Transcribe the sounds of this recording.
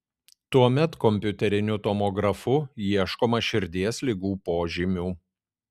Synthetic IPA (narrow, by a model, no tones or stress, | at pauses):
t̪uɔmʲɛt̪kɔmʲpʲʊt̪ʲɛɾʲɪnʲʊt̪ɔmɔɡɾɐfʊjiɛʃkoːmɐʃʲɪɾʲd̪ʲiɛsʲlʲɪɡuːpoːʒʲɪmʲuː